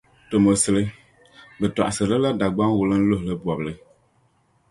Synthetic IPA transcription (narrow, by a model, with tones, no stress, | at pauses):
to˨mo˨sɨ˨lɨ˦ | bɨ˨ta̰˨ʔa˨sɨ˨ɾɨ˦la˦da˨ɡ͡ba˦ŋ˦wu˨lɨ˦n̩˦lo˦hlɨ˦bɔ˨bɨ˨lɨ˦